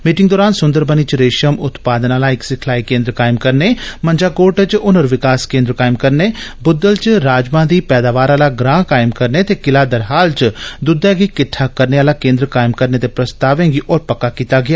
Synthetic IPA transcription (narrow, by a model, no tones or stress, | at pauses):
miːʈɪ̃ŋɡd̪ɔːɾaːnsʊnd̪əɾbəniːt͡ʃɾeːʃəmʊt̪paːd̪ənaːlaːɪksɪkʰlaːikẽːnd̪ɾəkaːɪmkəɾneːmənd͡ʒaːkoːʈət͡ʃʊnəɾʋɪkaːskẽːnd̪ɾəkaːɪmkəɾneːbʊd̪ːəlt͡ʃɾaːd͡ʒmãːd̪iːpɛːd̪aːʋaːɾaːlaːɡɾãːkaːɪmkəɾneːt̪eːkɪlaːd̪əɾɦaːlt͡ʃd̪ʊd̪ɛːɡiːkɪʈʰaːkəɾneːaːlaːkẽːnd̪ɾəkaːɪmkəɾneːt̪eːpɾəst̪aːʋẽːŋɡiːʔɔːɾpəkːaːkiːt̪aːɡɪjaː